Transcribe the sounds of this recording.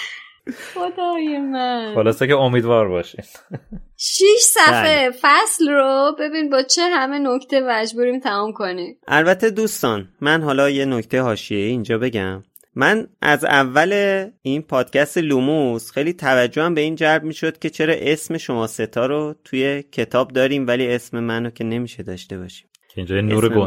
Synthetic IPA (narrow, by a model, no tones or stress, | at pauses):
xod̪ɒːjemæxolɒːsekeomiːd̪vɒːɾbɒːʃin | ʃiʃsæfefæslrobe̞binibɒːt͡ʃʰeɦæmenocʰt̪ʰemæd͡ʒbuːɾiːmt̪ʰæmumkʰonimʔælbæt̪ʰe̞d̪uːst̪ɒːnmænɦɒːlɒːje̞no̞cʰt̪ʰejeɦɒːʃieiːnd͡ʒɒːbe̞ɟæ̰mː | ænʔæ̰zævːæle̞inpʰɒːd̪̥cʰæst̪elumusxejliːt̪ʰævæd͡ʒːohæmbe̞iːnd͡ʒælb̚miːʃod̪̥̚cʲʰe̞t͡ʃʰe̞ɾɒːʔe̞sme̞ʃo̞mɒːse̞t̪ʰɒːɾot̪ʰuje̞cʰe̞t̪ʰɒːb̚d̪ɒːɾiːmvæliːe̞sme̞mænocʰe̞ne̞miːʃe̞d̪ɒːʃt̪e̞βɒ̰ːʃi̥ːm | cʰeĩnd͡ʒɒːjenuːɾeɡo